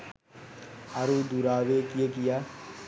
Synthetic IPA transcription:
aɾud̪uɾaːʋekijekijaː

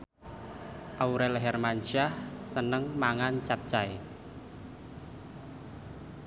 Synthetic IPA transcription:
ʔauɾɛlɦɛrmant͡ʃahsənəŋmaŋant͡ʃap̚t͡ʃae

